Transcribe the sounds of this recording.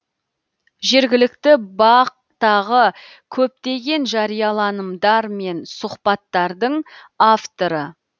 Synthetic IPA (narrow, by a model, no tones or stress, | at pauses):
ʒe̞ɾɡʲɪlɪk̚t̪ɪbɑq̚ | t̪ɑʁə | kʲʰɵp̚t̪e̞ɡʲe̞nʒɑɾijɑlˠɑnəmd̪ɑɾme̞nsʊχpɑt̪ːɑɾd̪əɴ | aft̪oɾə